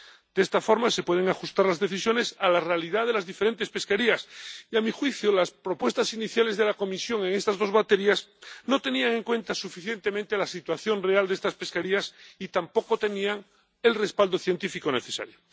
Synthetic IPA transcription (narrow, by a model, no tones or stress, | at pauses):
d̪̥est̪afo̞ɾmase̞pwe̞ð̞e̞ŋaxust̪aɾlazðe̞θisjone̞salarealið̞aðe̞lazðifeɾe̞nt̪e̞spe̞skeɾiasiamixwiθjolaspɾo̞pwe̞st̪asiniθjale̞zðe̞lako̞misjo̞ŋeŋe̞st̪azðo̞zβat̪eɾjasno̞t̪e̞niaŋẽ̞ŋkwe̞nt̪asufiθje̞nt̪emẽnt̪elasit̪waθjo̞nreald̪est̪aspe̞skaɾiasit̪ampo̞kot̪eniaŋ | e̞lrespald̪oθje̞nt̪ifikone̞θesa̰ɾjo